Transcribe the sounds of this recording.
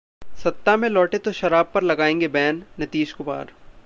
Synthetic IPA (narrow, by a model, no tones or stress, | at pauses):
sɐt̪ːamẽlɔːʈet̪oʃɐɾaːb̚pɐɾlɐɡaːẽːŋɡebɛːnːɐt̪iːʃkʊma̰ːɾ